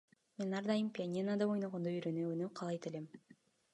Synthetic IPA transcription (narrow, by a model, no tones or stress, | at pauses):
me̞nɑɾd̪ɑjɯmpʲianʲinad̪ao̞jnoʁond̪oyɾønøønøqʰɑlˠɑjt̪elem